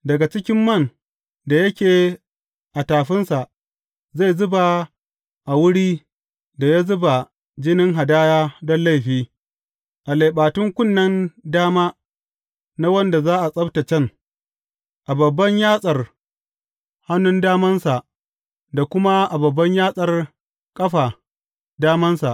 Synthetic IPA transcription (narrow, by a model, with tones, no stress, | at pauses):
dɐ˨ɡa˨t͡ʃɪ˦kʲɪ˦mːɐ˦˨n | da˨jɐ˦kʲeː˨ | ʔa˨taː˨ɸɪ˦nsa˨ʔ | za˦˨zʊ˦ba˨ | ʔa˨wʊ˦ɽiː˦ | da˨ja˦zʊ˦ba˨ | d͡ʒɪ˦nɪ˦ŋɦa˨daː˦jaː˦dɔ˦nla˦˨jɸiː˦ | ʔa˨le˨jɓaː˨tʊ˦ŋkʷʊ˦˨nːɐ˦ndaː˦maː˦ | na˦wɐ˦nda˨zaː˦ʔa˨sʼɐ˦bta˨t͡ʃɐ˦˨ŋ | ʔa˨bɐ˨bːɐ˦ɲjaː˦sʼɐ˨r | ha˦nʊ˦ndaː˦mɐ˦nsa˨ʔ | da˨kʷʊ˦ma˦ʔa˨bɐ˨bːɐ˦ɲjaː˦sʼɐ˨r | kʼɐ˦ɸa˨ | daː˦mɐ˦nsa˨ʔ